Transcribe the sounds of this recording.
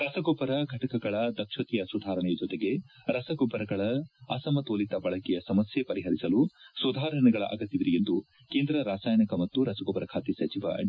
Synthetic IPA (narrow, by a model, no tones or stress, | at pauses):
ɾɐsɐɡoːpɐɾɐɡʱɐʈɐkɐɡɐɭɐd̪ɐkʂɐt̪ijɐsud̪ʱaːɾɐɳɛjɐd͡ʒɔt̪eɡe̞ɾɐsɐɡobɐɾɐɡɐɭɐɐsɐmɐt̪oːlit̪ɐbɐɭɐkɛjɐsɐmɐsjepɐɾiɦɐɾisɐlusud̪ʱaːɾɐɳɐɡɐɭɐ̰ʔɐ̰ɡɐt̪ːiʋiɾijend̪u | keːnd̪ɾɐɾaːsaːjɐɳɐkɐmɐt̪ːuɾɐsɐɡopɐɾɐkʰaːt̪isɐt͡ʃiʋɐ̰